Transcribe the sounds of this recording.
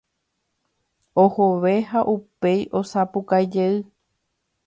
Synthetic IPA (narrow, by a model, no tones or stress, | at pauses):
ohoʋe̞ɦaʔupe̞jʔo̞sapukajd͡ʒeɨ